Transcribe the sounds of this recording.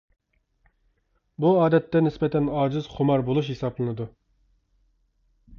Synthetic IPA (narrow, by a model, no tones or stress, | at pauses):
buɑːd̪ɛt̪ːɛnɪspɛt̪ʰɛnɑːd͡ʒɪzχʊmɑɾbolˠuʃhesɑblˠɨnɨd̪u